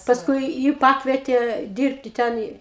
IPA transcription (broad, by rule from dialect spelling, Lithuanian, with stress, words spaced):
pɐˈskʊɪ ˈjɪ ˈpɑːkʋʲiɛtʲeː ˈdʲiːrʲpʲtʲɪ ˈtʲɛn ɪ